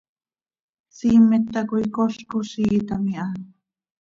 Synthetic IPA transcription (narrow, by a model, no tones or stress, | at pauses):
siːmet̪ːakuikoɬkusit̪amiʔan